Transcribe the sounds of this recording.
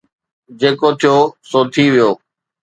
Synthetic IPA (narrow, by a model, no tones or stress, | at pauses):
d͡ʒeːkot̪ʰijoːsoːt̪ʰiʋɪjoː